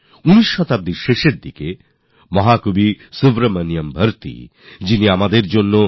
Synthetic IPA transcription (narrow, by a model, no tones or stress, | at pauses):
uniʃːɔt̪ab̚d̪iɾʃeʃeɾd̪ike | mɔɦakubisubɾamanijambʱəɾt̪ḭ | d͡ʑiniamad̪eɾd͡ʑonːo